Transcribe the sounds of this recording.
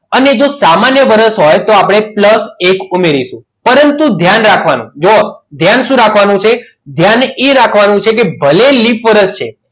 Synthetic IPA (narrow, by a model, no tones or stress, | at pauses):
əned͡ʒosamanjəʋəɾəsɦojt̪oapɽ̃epləsekumeɾiʃũ | pəɾənt̪ũd̪ʱjanɾakʰʋanṵ̃d͡ʒod̪ʱjanʃũɾakʰʋanũt͡ʃʰe | d̪ʱjaneɾakʰʋanũt͡ʃʰek̬ebʱəlelifʋəɾəst͡ʃʰḛ